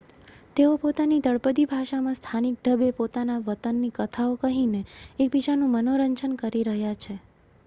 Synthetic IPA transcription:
t̪eopot̪anid̪əɭpəd̪ibʱaʃamãst̪ʰanik̚ɖ̪ʱəbepot̪anaʋət̪ənːikət̪ʰaokəɦineek̚bit͡ʃanũmənoɾəɲt͡ʃənkəɾiɾəɦjat͡ʃʰe

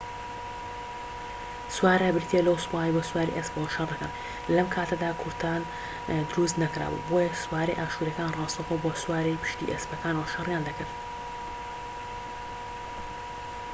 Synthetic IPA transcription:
swaːɾɐbɨɾt̪ʰielɐwspaijboːswaːɾḭʔespɐlɐʃɐrnɐkan | lɐmkʰaːt̪ʰɐd̪aːkʰʊɾt̪ʰaːn | d̪ʊɾust̪nɐkɾa̰ːbṵboːjɐswaːɾḛjʔaːʃuɾɐkaːnrɑːst̪ɐxoboːswaːɾejpʰɨ̥ʃt̪ḭʔespɐkaːnwɐʃɐrjaːnd̪ɐkɨɾt̪

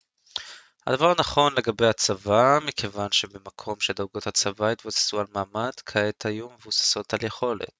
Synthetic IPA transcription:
ha̰d̪avaʁanaχo̞nle̞ɡabe̞jhat͡savamikʰe̞vanʃe̞bemakʰo̞mʃeld̪aɡothat͡savajit̪vusḁsualmaːmadkʰaet̪hajume̞vusḁso̞t̪alje̞χo̞le̞̰t̪

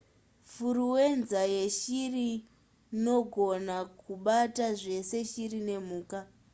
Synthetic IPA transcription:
furuwe̞nzaje̞ʃiri | no̞ɡʱo̞nakuɓataʐe̞se̞ʃirine̞muːka

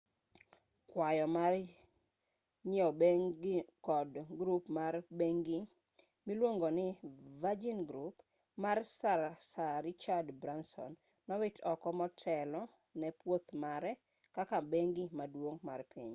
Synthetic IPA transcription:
kwajɔmar | ɲɔ | kɔdɡɾupmarbeŋɡi | milwoŋɡonɪvad͡ʒinɡɾup | marsasaɾɪt͡ʃadbɾansɔ̰nː | ɔwɪtʰɔkɔmɔtʰɛlɔ | nɛpwot̪maɾɛ | kakabeŋɡimadwoŋmarpʰiɲ

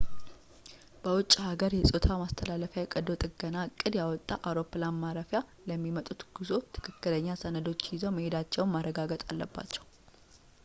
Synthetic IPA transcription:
b̥əwʊt͡ʃʼːhaɡəɾjɛsʼo̞t̪ʰamast̪ʰəlaləfjajɛkʼəd̪ot̪ʼɨɡənakʼːɨd̪jawɔt̪ʼːaʔawɾo̞pːlanmaɾəfja | ləmːimət̪ʼut̪ɡ̥ɨzo̞t̪ʰɨ̥kʰɨkːɨləɲːasənəd̪o̞t͡ʃːjɪzəwməhed̪at͡ʃːɛwnmarːəɡaɡət̪ʼa̰lːəbːa̰t͡ʃːɛw

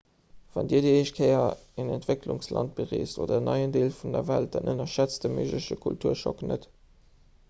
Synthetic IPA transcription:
v̥ɑndiːɐdəeʃkʰeɪɐenɛntv̥eklṵŋslɑ̰nt̚b̥əʁḛːsto̰ːdɐənɑɪəndeːlfundɐvælt̚d̥ɑnʔənɐʃæt͡sdəməʒləʃəkʰultʰuːɐʃɔknət

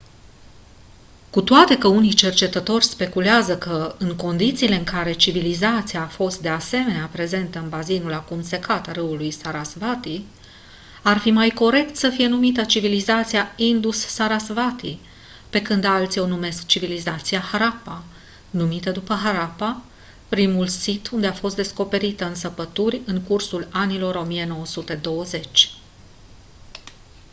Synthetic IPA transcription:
kut̪oat̪e̞kəunit͡ʃe̞rt͡ʃe̞t̪ət̪o̞rʲspe̞kuleazəkəɨŋko̞nd̪it̪siːle̞ɨŋkaɾe̞t͡ʃivilizat̪sijaːfo̞st̪̚d̪e̞ase̞me̞neapɾe̞ze̞nt̪əɨnbazinulakumse̞kat̪arɨulujsaɾasvat̪i | arfimajko̞ɾe̞kt̪səfije̞numit̪ət͡ʃivilizat̪siaind̪usːaɾasvat̪i | pe̞kɨnd̪alt̪sʲionume̞skt͡ʃivilizat̪siahaɾapa | numit̪əd̪upəɦaɾapa | pɾimulsit̪ʰund̪eafo̞s̬t̪d̪e̞sko̞pe̞ɾit̪əɨnsəpət̪urʲɨŋkursulanilo̞ɾo̞mije̞no̞wəsut̪e̞d̪o̞wəze̞t͡ʃʲ

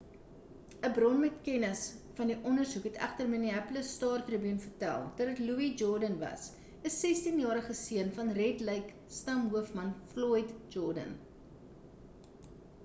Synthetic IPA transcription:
əbrɔnmɛtkɛnəsfɐndiʔɔnərsukɦɛtæ̰χtərməniɛpləstɑːrtrubyənfərtæ̰lˠtədɐtluid͡ʒɔrdənvɐ̰s | əsːɛstinjɑːɾəχəsiənfɐnrɛtləjk | stɐmɦuəfmɐnflɔjtd͡ʒɔrdə̰n

